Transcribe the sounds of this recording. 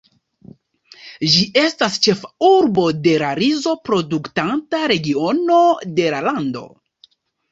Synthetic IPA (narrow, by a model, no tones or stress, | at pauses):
ʒiʔe̞stast͡ʃe̞fauɾbo̞de̞ɾaɾizo̞pɾo̞duktantaɾe̞ɡio̞no̞de̞lalando̞̰